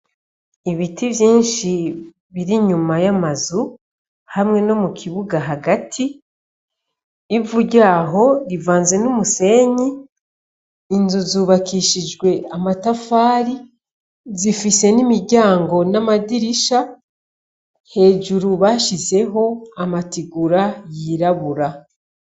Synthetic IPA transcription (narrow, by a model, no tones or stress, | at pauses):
iβitʰivjiːnʃi | βiɾiɲumajamazu | hamŋe̞no̞mukʰiβuɡaɦaɡatʰi | vuɟaːɦo̞ɾivaːnze̞numuse̞ɲi | nzuzuːβakiʃid͡ʒɡwe̞amatafaːɾi | zifise̞nimiɾɟaːŋɡo̞namadiɾiʃa | he̞ːʒuɾuβaʃize̞ɦo̞amatiɡuɾajiːɾaβuɾa